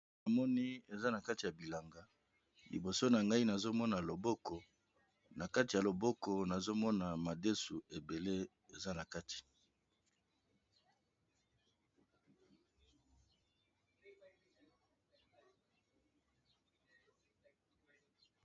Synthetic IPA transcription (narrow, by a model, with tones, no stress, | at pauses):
a˨mɔ˦ni˦e˨za˦na˨ka˦ti˨ja˨bi˨la˨ŋɡa˨ | lḭ˨bo˨so˦na˨ŋɡa˦i˦na˨zo˦mɔ˦na˨lo˨bɔ˦kɔ˨ | na˨ka˦ti˨a˨lo˨bɔ˦kɔ˨na˨zo˦mɔ˦na˨ma˨de˦su˨e˨be˨le˦ | e˨za˦na˨ka˦ti̥˨